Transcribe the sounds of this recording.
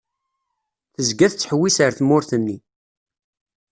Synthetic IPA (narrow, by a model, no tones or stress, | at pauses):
θəzɡæθt͡sːħwːisəɾθmʊɾθənːi